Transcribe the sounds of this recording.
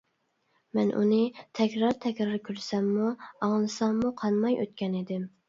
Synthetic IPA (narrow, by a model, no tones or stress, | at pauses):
mɛnʔṵnɨt̪ʰɛkʲɾɑɾt̪ʰɛkʲɾɑɾkʲʰyɾsɛmːuɑŋnɨsɑŋmuqʰɑnmɑjʔø̰t̪̚kʲɛned̪ɪm